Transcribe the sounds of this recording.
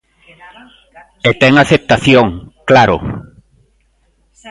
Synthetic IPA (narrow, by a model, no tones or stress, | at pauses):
et̪ɛŋaθep̚t̪aθjoŋklaɾʊ̰